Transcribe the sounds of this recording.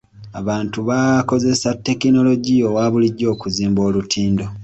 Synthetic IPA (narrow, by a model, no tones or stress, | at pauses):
aβaːntuβako̞ze̞satːe̞kino̞lo̞ɟio̞waːβuliɟːo̞ːkuziːmbo̞ːlutʰiːndo̞